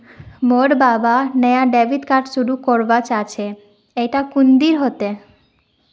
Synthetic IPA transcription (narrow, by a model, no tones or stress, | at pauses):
moɖbabanejaɖebʱid̪kaɾʈʃuɽukoɾbat͡ɕat͡ɕʰe | ejʈakund̪iɾɦot̪e